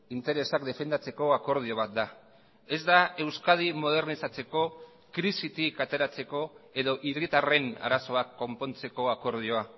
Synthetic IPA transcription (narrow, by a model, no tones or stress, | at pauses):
int̪e̞ɾe̞sakd̪e̞fe̞nd̪at͡se̞ko̞ako̞ɾð̞io̞β̞at̪̚d̪a | e̞zd̪ae̞wskað̞imo̞ð̞e̞ɾnisat͡se̞ko̞ | kɾisit̪ikat̪e̞ɾat͡se̞ko̞e̞ðo̞ʔirit̪are̞na̰ɾaso̞akːo̞mpo̞nt͡se̞ko̞ako̞ɾð̞io̞a